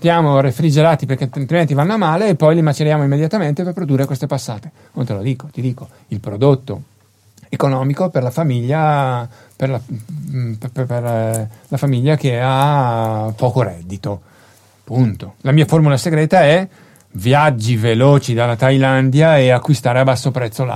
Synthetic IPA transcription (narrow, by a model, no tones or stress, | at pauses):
st̪jaːmorefɾid͡ʒeɾaːt̪iperk̟ealt̪ɾiment̪̬ivanːoamːaːleːpːɔjlimat͡ʃeɾjaːmoimːed̪jat̪ament̪eperpɾod̪urːekwest̪epasːaːt̪e̥ | nont̪elod̪iːko̥t̪id̪iːko | ilpɾod̪ot̪ːo | ekonɔːmikoperlafamiʎːa | perla | pperlafamiʎːakea | pːɔːkoɾɛd̪ːit̪o | punt̪olamiːaformulaseɡɾɛːt̪aɛ | vjad͡ʒːivelɔːt͡ʃid̪alːat̪ajland̪jaeakːwist̪aːɾeabasːopɾɛt̪sːola̰